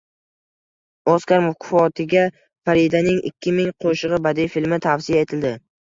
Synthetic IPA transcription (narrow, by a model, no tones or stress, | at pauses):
ɒskʲaɾmʊfqʰʊfɒt̪ʰɪɡʲa | faɾid̪anɪŋɪ̰kʲʰːɪmɪŋqʰoʃɨʁɨbad̪ijfilmɪt̪ʰafsijae̞t̪ʰɪld̪ɪ